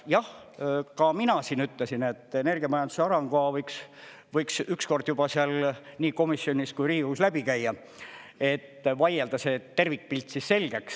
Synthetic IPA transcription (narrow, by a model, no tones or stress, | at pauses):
jɑh | kɑminɑsinyt̪lesine̞t̪ːˑene̞rɡ̥iɑmɑjɑnd̪useɑɾɑŋɡ̥oɑvɤjks | vɤjksyksko̞rd̪̥jub̥ɑseɑlniːko̞misːjo̞nʲiskujriːuslæbikæjːɑ | e̞t̪ːvɑjeld̪̥ɑse̞t̪e̞rvik̚ːpilʲt̪ˑsisse̞lɡ̥e̞ks